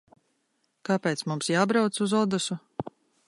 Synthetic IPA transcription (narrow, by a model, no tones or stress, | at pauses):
kapeːt̪smumsjaːbɾawt̪suzɔd̪asu